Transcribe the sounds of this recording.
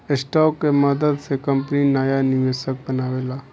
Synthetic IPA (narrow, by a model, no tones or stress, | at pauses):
ɪsʈɔːkːeməd̪əd̪sekɐmpninaːjanɪʋeːsək̚bɐnaːʋeːlaː